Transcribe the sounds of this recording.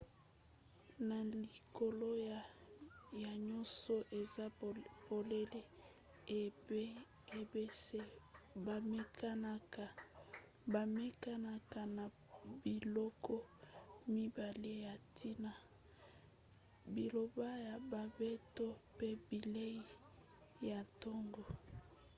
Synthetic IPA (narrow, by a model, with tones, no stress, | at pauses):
na˨li˨ko˨lo˦j | ja˨ɲɔ˦sɔ˦ʔe˨za˦bo˨le˦le˦˨˦ | e˨be˦se˦ba˨me˦kʰa˦na˦ka˨ | ba˨me˦ka˦na˦ka˨na˨ | bi˨lɔ˦kɔ˦mi˦ba˨le˦ja˨tʰi˦na˨ | bi˨lo˨ba˦ja˨ba˨be˦to˦pe˦bi˨le˦i˦ | ja˨tɔ˦ŋɡo˨